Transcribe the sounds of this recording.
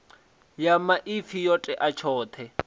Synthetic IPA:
jamaʔifijɔtʼɛʔat͡ʃʰɔːt̪ʰɛ

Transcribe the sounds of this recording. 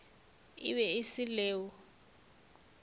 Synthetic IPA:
ɪ̰βɛɪsɪlɛːwɔ

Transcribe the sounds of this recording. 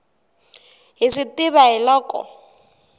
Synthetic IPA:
ɦiʂitɪβaɦilɔkʼɔ̰

